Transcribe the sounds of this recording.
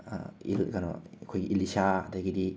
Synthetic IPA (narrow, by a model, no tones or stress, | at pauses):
ḭlkanɔ̰kʰojɡiʔilisaɐdaɡidi